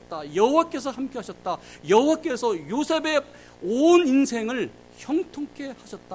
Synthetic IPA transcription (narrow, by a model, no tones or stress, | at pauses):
t̚t͈ajʌɦowak͈e̞sʰʌhamk͈eɦaɕʰʌt̚t͈ajʌɦowak͈e̞sʰʌjosʰe̞be̞ | oninsʰe̞ŋɯɭ | çjʌŋtʰoŋk͈ʰe̞haɕʰʌt̚t͈a